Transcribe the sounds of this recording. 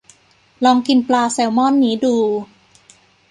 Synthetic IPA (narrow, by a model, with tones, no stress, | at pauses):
lɔː˧ŋki˧nplaː˧se˩˦wmɔ˥˩˨nːiː˦˥duː˧